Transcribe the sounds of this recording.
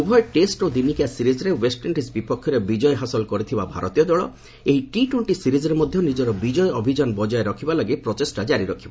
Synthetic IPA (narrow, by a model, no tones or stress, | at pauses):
ubʱɔjʈesʈod̪inikijasiɾizɔɾewesʈɔɳʈisbipɔkʰːjɔɾebid͡ʒɔjeɦasɔlkɔɾit̪ʰibabʱa̰ɾɔt̪ijɔd̪ɔɭɔ̰ | eɦiʈiʈweɳʈisiɾizɔɾemɔd̪ʱjɔnid͡ʒɔɾɔbid͡ʒɔjɔbʱid͡ʒanbɔd͡ʒɔeɾɔkʰibalɔɡepɾɔtesʈad͡ʒaɾiɾɔkʰibɔ